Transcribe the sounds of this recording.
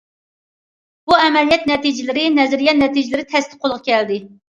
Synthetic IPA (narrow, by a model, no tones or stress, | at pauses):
b̥uɛmɛlijɛt̪̚nɛt̪id͡ʒɪlɪɾɪnɛzɪɾijɛnɛt̪id͡ʒɪlɪɾɪt̪ʰɛst̪ɪ̥qʰːolˠʁɑkʲʰɛld̪ɪ